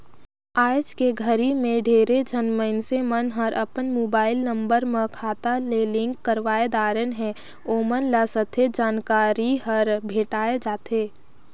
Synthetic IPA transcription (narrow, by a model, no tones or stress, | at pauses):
aːd͡ʒkeɡʱəɾimẽɖʱeːɾed͡ʒʱənməɪnsemənɦəɾʔəpənmoːbaːɪlnə̃mbəɾmə̃kʰaːt̪alelɪ̃ŋkːəɾʋaːed̪aːɾənɦɛ̃ | oːmənlasət̪ʰed͡ʒaːnkaːɾiɦəɾbʱeːʈaːed͡ʒaːt̪eː